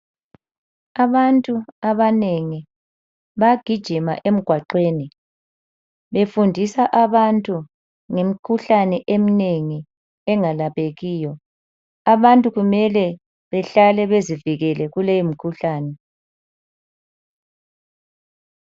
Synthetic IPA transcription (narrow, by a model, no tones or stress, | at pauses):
aβantʼuaβaneŋi | βaɡ̥ʱid̥ʒ̥ʱima̰ʔem̩ɡ̥ʱwaǃweːni | βefundʱisaʔaβantʼu | ŋem̩kʰuɬanɛʔemineŋi | ɛŋalaβeɣiːjɔ | aβantʼuɣumɛlɛ | βɛɬalɛβeziviɣɛlɛɣulejimikʰuɬaːnɛ